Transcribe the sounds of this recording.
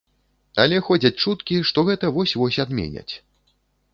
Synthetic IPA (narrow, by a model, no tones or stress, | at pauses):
alʲɛxɔd͡zʲɐt͡sʲt͡ʂut̪kʲiʂt̪ɔɣɛt̪ɐvɔsʲvɔsʲad̪mʲḛnʲɐ̰t͡sʲ